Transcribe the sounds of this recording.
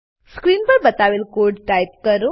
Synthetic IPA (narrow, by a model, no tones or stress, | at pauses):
skɾiːnpəɾbət̪aʋelkoɾɖʈajp̚kəɾo